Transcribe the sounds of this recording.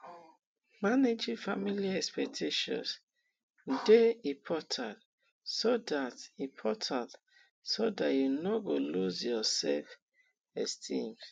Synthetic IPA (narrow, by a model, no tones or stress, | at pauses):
maned͡ʒifamiliɛkspɛk̚tʰeʃɔ̰̃ns | deĩpʰɔtʰãt | sodatĩpʰɔtʰãnt | sodatjunoɡoluzjɔsɛlf | ɛstʰĩms